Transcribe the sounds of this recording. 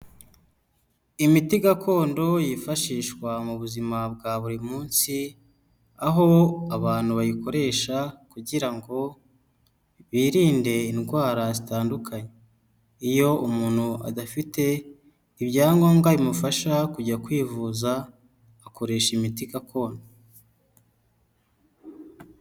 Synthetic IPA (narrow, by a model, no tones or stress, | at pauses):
imitiɡakʰo̞ːndo̞jifaʃiːʃwamuβuzimab̚ɡaβuɾimuːnsi | aɦo̞aβaːn̥huβajiko̞ɾe̞ːʃakuɟiɾaŋɡo̞ | βiːɾiːnde̞inɡwaːɾazitaːndukʰaɲe | ijo̞umuːn̥huʔa̰dafite̞ | iβɟaːŋɡo̞ːŋɡaɾimufaʃakuɟakwiːvuːzaː | ko̞ɾe̞ːʃimitikakʰo̞ːne